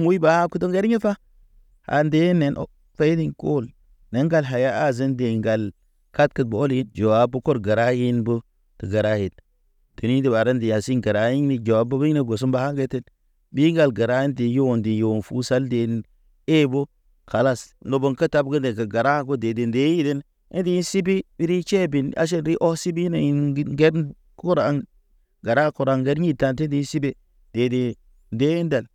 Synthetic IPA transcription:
ŋwu˦jba˨ha˦ku˦to˦ŋɡe˦ɾi˦ɲe˦fa˦ | ha̰˨nde˦ne˨nʔo̰˨˦ | fe˦di˦nko˦˨l | ne˨˦ŋɡa˦˨lɦa˨ja˦a˦zə˦nde˨ŋɡa˨l | ka˦t̚kə˨t̚bo˨o˦li˦d͡ʒo˨wa˨˦bːo˦ko˦ɾɡa˨ɾa˦ji˦nbo˦ | tə˨ɡa˨ɾa˦je˨t | tu˨ni˦di˦ba˨ɾa˦nde˨ja˨si˦nɡa˨ɾa˨˦ji˦ŋni˨d͡ʒo˨a˨bə˦bi˦ni˦ɡo˨s̬u˦mba˨ha˦ŋɡe˦te˦t | bi˦ɡa˨lɡa˨ɾa˦i˦ndi˨jo˦˨ndi˨jo˨nfu˦sa˦lde˨n | e˦bo˦ | ka˨la˦sno˨bo˦ŋka˦ta˦b̚ɡə˦de˨ka˨ɡa˨ɾa˦ɡo˦de˨de˨nde˦i˦de˦n˦ | ḛ˦di˦nsi˦bi˦bi˦ɾi˦t͡ʃe˦bi˨na̰˦ʃ̬e˦ɾi˦ʔo˦si˦bi˦ne˨i˨n˦ɡe˦ɾ | ku˦ɾa˨˦ŋ | ɡa˨ɾa˦ku˨ɾa˨ŋɡe˦ɾɲi˦ta˦nte˦di˨˦si˦be˦ | d̥e˨de˨ | nde˦nda˨l

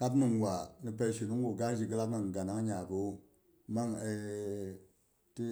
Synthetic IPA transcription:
ka˦pni˨ŋ˨wʷa˨ni˨p̬ɛ˦˨ʃi˨nu˦ŋ˦ɡu˨ɡa˦d͡ʒi˨ɡə˦la˦k̚na˨ŋ˨ɡa˨na˦ŋ˦ɲa˨ko˨˦ | ma˦ŋe˨ | ti˦

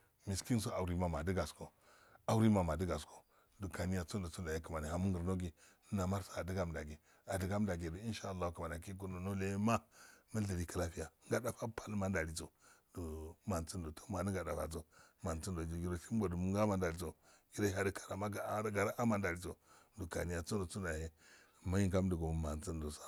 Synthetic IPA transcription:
mi˨ski˦n˦s̬o˦a˨u˨ɾi˦ma˨ma˨də˦ɡa˨sko˨ | a˨wu˦ɾi˦ma˨ma˨də˦ɡa˨sko˨ | do˨ka˨ni˦ja˨t͡so˦ndo˨t͡su˦nda˨ja˦kə˨ma˨ni˨ha˨mu˦ŋɡə˨ɾno˦ɡi˨nə˦na˨ma˦ɾsḁ˦a˨di˦ɡa˦mda˨ɡi˨ | a˨də˦ɡa˦m˦da˨ɡi˨do˨i˦nʃa˦˨lːa˦u˦ka˨ma˨na˨ki˦k̬u˦no˨no˦le˦ma˦mə˦ɬə˨ɾi˨ka˦la˦fi˦ja˨˦ŋɡa˦da˦˨fa˦pʰa˦lma˦n˦da˨li˨t͡so˨do˨ma˨nt͡si˦ndo˨tʰo̥˦ma˨ni˦ɡa˨da˨fa̰˨t͡so˦ma˨nt͡si˦ndo˨d͡ʒi˨ɡi˨ɾo˨si˦m˦bo˨du˨mu˦ŋɡa˦ma˦n˦da˨li˨˦t͡so˨ | ɡi˦ɾa˦a˦di˦kʰa˨ɾa˨ma˦ɡa˨˦ɡa˨ɾa˦ʔa˦ma˦nda˨li˦t͡so˨du˨ka̰˨ni˦ja˨t͡su˦ndo˨t͡su˦nda˨he˦˨ | ma˦ji˨ŋɡa˦m˦du˨ɡo˨m˨ma˨nt͡si˦ndo˨sḁ˦˨

